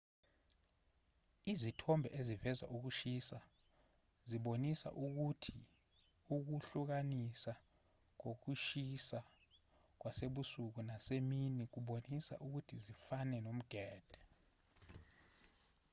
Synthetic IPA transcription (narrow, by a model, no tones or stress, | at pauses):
izitʰɔmbʱɛʔezivɛza̰ʔuk̬uʃisa | ziɓonisa̰ʔuk̬utʰi | uk̬uɬuk̬anisa | k̬ok̬uʃisa | k̬waseɓusuk̬unaseminik̬uɓonisa̰ʔuk̬utʰizifanɛnom̩ɡ̥ʱɛːd̥ʱɛ